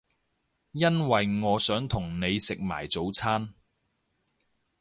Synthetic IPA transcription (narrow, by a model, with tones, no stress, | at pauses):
jɐ˥nwɐ˨jŋɔː˨˧sœː˨˥ŋt̪ʰʊ˨˩ŋne˨˧jsɪ˨k̚ma̰ː˨˩jt͡so˨˥wt͡sʰaː˥n